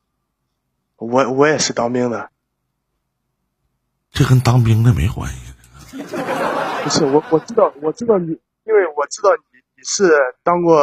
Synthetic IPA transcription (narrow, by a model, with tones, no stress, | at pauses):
wɔ˧˥wɔ˨˧˥jɛ˨˩ʂɻ̩˥˩t̪ɑ˥ŋpi˥ŋd̪ə˨ | ʈ͡ʂkə˥nt̪ɑ˥ŋpi˥ŋd̪ə˨me˧˥ɪxwa̰˧˥nḭ˧˨˩ | pu˥ʂɻ̩˥˩wɔ˧˦wɔ˨˩ʈ͡ʂɻ̩˥t̪ɑ˥˩ʊwɔ˨˩ʈ͡ʂɻ̩˥t̪ɑ˥˩ʊni˨˩ | i˥nwe˥˩ɪwɔ˨˩ʈ͡ʂɻ̩˥t̪ɑ˥˩ʊni˨˩ni˨˩ʂɻ̩˥˩t̪ɑ˥ŋkwɔ˥˩